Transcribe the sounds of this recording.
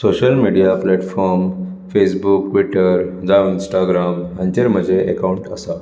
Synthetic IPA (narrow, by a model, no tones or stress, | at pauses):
soɕəlmiɽijaplɛʈfɔɾm | fesbuk̚ʈʋiʈəɾd͡zaũinsʈaɡɾamant̪eɾm̤əd͡ʑʱeʔekauɳʈəsa